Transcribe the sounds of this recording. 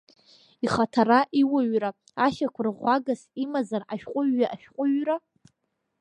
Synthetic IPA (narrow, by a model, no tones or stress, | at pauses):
iχatʰaɾaʔiwaɥraː | ʃakʷʰʊrʁʷaɡasimazaraʃᶣqʷʼʊɥːaʔaʃᶣqʷʼʊɥra